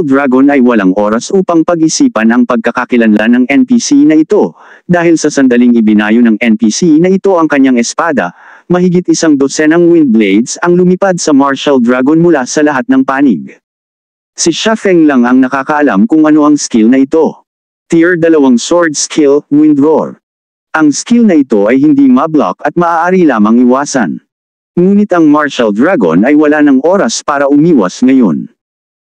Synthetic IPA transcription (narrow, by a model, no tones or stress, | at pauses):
ld̪ɹaɡonɐjwɐlaŋʔo̞ːɾɐsʔuːpɐŋpɐɡʔɪsiːpɐnɐŋpɐɡ̚kɐkɐkɪlɐnlanɐŋɛnpisinɐʔɪt̪o̞ | d̪aːhɪlsɐsɐnd̪ɐliŋɪbɪnaːjonɐŋɛnpisinɐʔɪt̪o̞ʔɐŋkɐɲːaŋɛspaːd̪ɐ̰mɐɦɪɡit̪̚ʔɪsaŋd̪osɛnɐŋwɪnd̪̚blejd̪sɐŋlʊmɪpad̪̚sɐmaɹʃɐld̪ɹaɡonmʊlasɐlɐɦat̪̚nɐŋpaːnɪɡ̚ | siʃafɛŋlɐŋɐŋnɐkaːkɐʔɐlamkʊŋɐno̞ʔɐŋskɪlnɐʔɪt̪o̞ | t̪iɹd̪ɐlɐwaŋsoɹd̪̚skʰɪlwɪnd̪ɹoɹ | ʔɐŋskilnɐʔɪt̪o̞ʔɐjhɪnd̪imɐbla̰kɐt̪̚mɐʔaːʔaːɾilaːmɐŋɪwaːsɐ̰n | ŋuːnɪt̪ɐŋmaɹʃɐld̪ɹaɡo̰nɐjwɐlanɐŋo̞ɾɐspaːɾɐʔʊmiːwɐ̰sŋɐjo̞̰n